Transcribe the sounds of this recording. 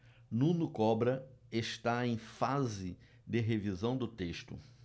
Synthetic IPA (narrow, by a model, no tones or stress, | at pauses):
nũnʊkɔbɾɐeʃt̪aẽj̃fazɪ | d̪ɪɦevizɐ̃w̃d̪ʊt̪eʃt̪ʊ̰